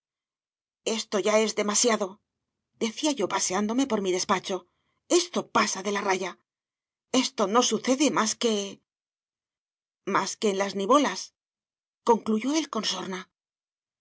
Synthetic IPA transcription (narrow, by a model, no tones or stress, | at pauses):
e̞st̪o̞ʝae̞zðe̞masjaðo̞ | d̪e̞θiaʝo̞pase̞and̪o̞me̞po̞ɾmiðe̞spat͡ʃo̞ | e̞st̪o̞pasaðe̞laraʝa | e̞st̪o̞no̞suθe̞ðe̞maske̞ | maske̞ːnlazniβo̞las | ko̞ŋkluʝo̞elko̞nso̞ɾna